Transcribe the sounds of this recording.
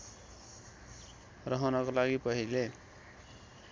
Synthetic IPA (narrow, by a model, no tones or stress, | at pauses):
rʌɦʌnʌkolaɡipʌɦile